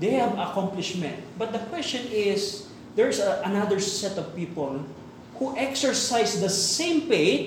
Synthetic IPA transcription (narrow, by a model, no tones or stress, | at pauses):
d̪ejhavɐkãmplɪʃmɛ̃nt̪̚bɐt̪̚d̪ɐkwɛst͡ʃɔ̃nɪs | d̪ɛɹsʔɐnad̪əɹsɛt̪ɔvpiːpɔl | huʔɛksɛɹsajsd̪ɐssẽɪ̃mpeɪt̪̚